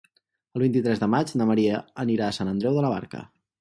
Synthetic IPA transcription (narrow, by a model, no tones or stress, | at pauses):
əlˠβint̪it̪ɾɛzðəmad͡ʒnəməɾiəːniɾaːsanənd̪ɾɛwðələβ̞a̰ɾkə̰